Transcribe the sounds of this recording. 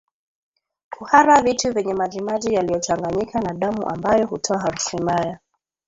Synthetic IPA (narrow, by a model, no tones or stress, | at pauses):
kuhaɾavituvɛɲɛmaʄimaʄijalijɔt͡ʃaŋɡaɲikʰanaɗamṵʔa̰mbajɔhutʰɔaɦaɾusimbaja